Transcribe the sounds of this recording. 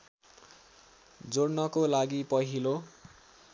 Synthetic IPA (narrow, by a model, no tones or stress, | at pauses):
d͡zoɽnʌkolaɡipʌɦilo